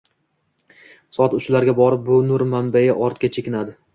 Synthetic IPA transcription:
sɒt̪ʊt͡ʃlaɾɡʲabɒɾɪp̚bʊnʊɾmambajaʔɒɾt̪kʲat͡ʃʰekʲɪnad̪ɪ

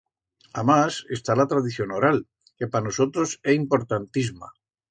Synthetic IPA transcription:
amase̞st̪alat̪ɾaðiθjo̞noɾal | ke̞panoso̞t̪ɾoseimpo̞ɾt̪ant̪izma̰

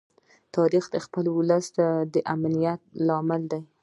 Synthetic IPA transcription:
t̪ɑɾixd̪əxpəlwʊləst̪ad̪əʔamnijat̪̚lɑmɪld̪aj

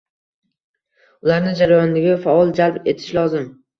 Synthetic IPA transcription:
ʊlaɾnɪd͡ʒaɾajɒnd̪ɪɡʲafaɒlˠd͡ʒalbe̞t̪ʰɪ̥ʃlɒzɪm

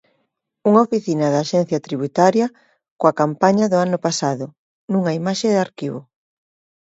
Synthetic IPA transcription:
uŋaofiθinɐðaːʃɛn̟θjɐt̪ɾiβut̪aɾjɐ | koakampaɲɐðʊanʊpasaðʊ | nuŋaimaʃeðaɾkiβʊ

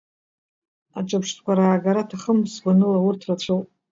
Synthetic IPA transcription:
aʈ͡ʂʼapʂtʰkʷaɾaːɡaɾatʰaχəmsɡʷanɨlawʊrtʰrat͡ɕʷʰowpʼ

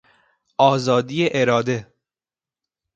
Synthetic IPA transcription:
ʔɒːzɒːd̪ijeʔeɾɒːd̪e

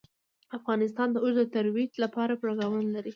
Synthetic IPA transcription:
afɣɑnɪs̬t̪ɑnd̪əozd̪ət̪aɾwit̪lapɑɾapɾɑɡawənlaɾi

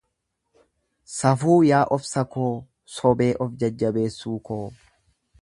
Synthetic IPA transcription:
sɐfuːjaːʔɔfsɐkoː | sɔbe̞ːʔɔfd͡ʒɐd͡ʒːɐbe̞ːsːuːkoː

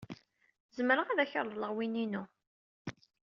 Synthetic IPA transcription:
zəməɾəʁæðæçəɾˤləʁwininu

